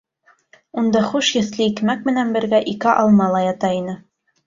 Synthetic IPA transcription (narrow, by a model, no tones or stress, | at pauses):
und̪ɑχuʃjɘ̆θlɘikmæk̚mɘ̆nænbɘ̆ɾɡæʔikɘʔɑlˠmɑlˠɑjɑt̪ɑinɘ